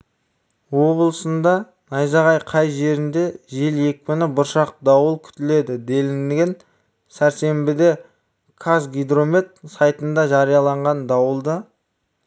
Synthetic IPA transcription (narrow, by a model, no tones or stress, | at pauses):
wo̞blˠəsənd̪ɑ | nɑjzɑʁɑjqʰɑjʒe̞ɾɪnd̪e̞ʒe̞lje̞k̚ʲpɪnɪbʊɾʃɑq̚d̪ɑwəlˠkʲʰʏ̥t̪ɪle̞d̪ɪd̪e̞lɪnɡʲen | sæɾse̞mbɪd̪e̞ | kʰasɡʲijd̪ro̞mʲet̪̚sɑjt̪ənd̪ɑʒɑɾijɑlˠɑɴʁɑnd̪ɑwəlˠd̪ə